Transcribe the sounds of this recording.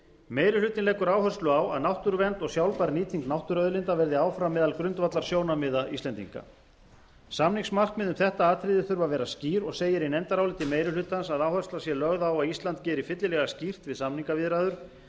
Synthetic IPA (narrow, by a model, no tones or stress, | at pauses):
meːjɾʏlʏːt̪ɪnɛːkʏɾaːwhœrst̪lʏawa̰ðnawht̪ʏɾvɛnt̪ɔɣsjawlpaɾniːt̪ʰiŋknawht̪ʏɾœðlɪnt̪avɛɾðɪaːwfɾamːɛːðalkɾʏnt̪vat̪laɾ̥sjoːwnamɪðaḭst̪ɛnt̪ḭŋka̰ | samniŋksmar̥kmɛðʏmθɛht̪aaːt̪ʰɾɪðɪθʏɾvavɛːɾasciːɾɔɣseːjɪɾinɛnt̪aɾawlɪt̪ɪmejɾʏlʏːt̪ansaðawhœrstlasjɛlœɣðaːwaðist̪lant̪̚cɛːɾɪfɪt̪lɪlɛɣascir̥t̪vɪðsamniŋkavɪðɾaːðʏɾ̥